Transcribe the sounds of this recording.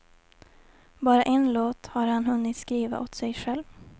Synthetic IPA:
bɑːɾaʔɛnloːt̪haɾhanɦɵnːɪt̪skɾiːva̰ʔot̪sɛjɧɛlv

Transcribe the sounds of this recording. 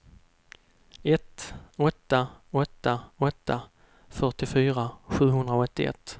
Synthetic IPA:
ɛt̪ɔt̪ːaɔt̪ːaɔt̪ːa | fœʈɪfyːɾaɧʉ̟ːɦɵnd̪ɾaɔt̪ːɪ̰ɛ̰t̪ː

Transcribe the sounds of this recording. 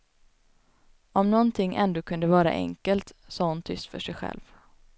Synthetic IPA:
ʔɔmnɔnt̪ʰɪŋːʔɛ̰nd̪oːkʰɵnd̪əvɑːɾa̰ʔɛ̰ŋkəlt̪sɑːhʊnt̪ʰʏst̪fœ̰ʂɛjɧɛ̰lv

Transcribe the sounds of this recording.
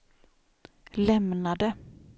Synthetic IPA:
lɛmnad̪ə

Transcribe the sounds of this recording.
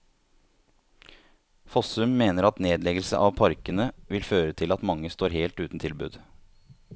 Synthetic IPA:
fɔsʉmːeːnəɾɑt̪neːd̪lɛɡəlsə̰ʔɑʋpʰɑɾkənəʋɪlføːɾət̪ʰɪlɑt̪mɑŋːəst̪oːɾheːlt̪ʉːt̪n̩t̪ʰɪlbʉ̰ːd̪

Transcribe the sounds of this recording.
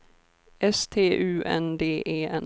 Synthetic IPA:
ɛst̪ʰeːʔʉ̟ːʔɛ̰nd̪eːʔeːɛn

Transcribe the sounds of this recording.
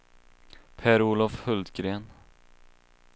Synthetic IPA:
pʰæːɾuːlɔfhɵld̪ɡɾeːn

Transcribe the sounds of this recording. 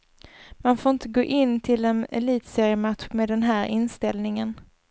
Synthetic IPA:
manfoːɾɪnt̪əɡoːʔɪnːt̪ʰɪlɛnɛ̰liːt̪seːɾɪjəmat̪ɧmeːd̪ɛnɦæːɾɪnst̪ɛlnɪŋən

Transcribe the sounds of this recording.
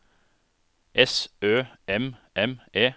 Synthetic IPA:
ʔɛsøːɛmʔɛmʔeː

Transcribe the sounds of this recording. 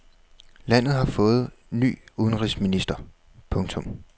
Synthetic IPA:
læn̰ð̩ˠhɑ̈fɔ̽ːð̞̩ˠ | ny̰ːuð̞ˠən̩ʁisminisd̥ɐ | pʰɔ̽ŋt͡sʰɔ̽m

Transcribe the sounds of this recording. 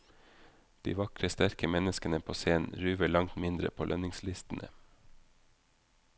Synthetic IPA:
d̪̥ḭːʋɑkɾəst̪æɾkəmɛnəskənəpʰoːseːn̩ɾʉːʋəɭɑŋt̪mɪnd̪ɾə̰pʰoːlʔœnɪŋslɪst̪n̩ʔə̰

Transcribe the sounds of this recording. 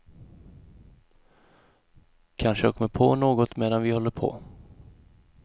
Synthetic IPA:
kʰanʂəakʰɔmːəɾpʰɔnoːɡɔt̪meːd̪anvɪhɔlːəɾpʰɔ̰

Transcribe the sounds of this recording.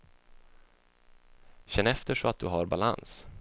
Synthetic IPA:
ɕɛnːɛft̪əʂɔat̪̚d̪ɵɦaɾbala̰ns

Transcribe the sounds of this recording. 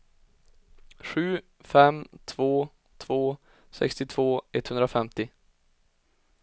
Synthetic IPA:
ɧʉ̟ː | fɛmt̪ʰvoː | t̪ʰv̥oː | sɛ̰kst̪ɪt̪ʰv̥oːɛt̪ːhɵnd̪ɾafɛmt̪ɪ

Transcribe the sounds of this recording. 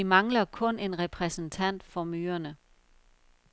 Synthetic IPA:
imɑ̈ŋlɐkʰɔ̽ne̝nʁɛpʰʁɛsn̩t͡sʰæn̰d̥fɒ̽myːɐnə

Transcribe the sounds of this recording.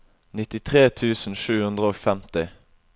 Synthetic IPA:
nɪt̪ɪt̪ʰʁeːt̪ʰʉːsn̩ʃʉːhʉnd̪ʁəoːfɛmt̪ɪ

